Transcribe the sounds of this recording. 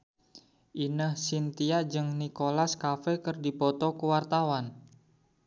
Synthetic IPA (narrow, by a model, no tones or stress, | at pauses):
ʔinəhsint̪iad͡ʒɨŋnikolaskafɛkərdipɔt̪ɔkəwart̪awan